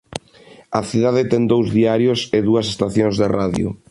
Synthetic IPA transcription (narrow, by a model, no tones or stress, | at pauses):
ɐθiðaðɪt̪ɛŋd̪owzðiaɾjʊseðuɐsest̪aθjõŋzðeraðjʊ̰